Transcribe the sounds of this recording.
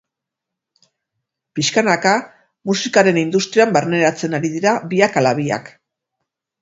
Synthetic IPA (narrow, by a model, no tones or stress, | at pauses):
piʃkanaka | musikaɾe̞nind̪ust̪ɾiambaɾne̞ɾat͡se̞naɾiðiɾaβiakalaβia̰k